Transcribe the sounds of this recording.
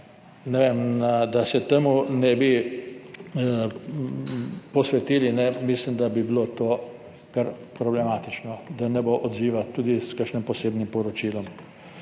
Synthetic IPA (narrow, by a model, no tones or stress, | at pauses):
nɛʋemnad̪asɛt̪emunɛbi | pɔsʋɛt̪iːlinɛmislimd̪abibilot̪oː | kaɾpɾɔblɛmat̪it͡ʃnɔd̪anɛboʔɔd̪ziːʋat̪ud̪iskəʃnimpɔseːbnimpɔɾɔt͡ʃiːlɔm